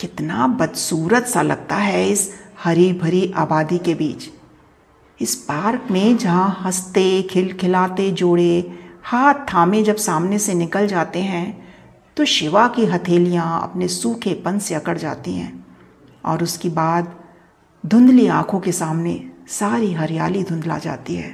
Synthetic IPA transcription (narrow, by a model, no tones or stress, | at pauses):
kɪt̪nabɐd̪suːɾət̪salɐ̰ɡ̚t̪aɦɛɪshɐɾibʱɐɾiʔa̰ːbaːd̪ikebiːt͡ʃ | ɪspaːɾkmẽd͡ʒɐɦãhɐst̪ekʰɪlkʰɪlaːt̪ed͡ʒoːɽehaːt̪ʰːaːmẽd͡ʒɐbsaːmnesenɪkəld͡ʒaːt̪eɦɛ̃ | t̪oʃɪʋakiɦɐt̪ʰeːlijãɐ̰pnesuːkʰepɐ̃nseɐkəɽd͡ʒa̰ːt̪iɦɛ̰̃ː | ɔ̰ːɾʊskibaːd̪ | d̪ʱʊ̃nd̪liãːkʰõkesaːmnesaːɾiɦɐɾjaːlid̪ʱʊ̃nd̪la̰d͡ʒa̰ːt̪iɦɛ̰ː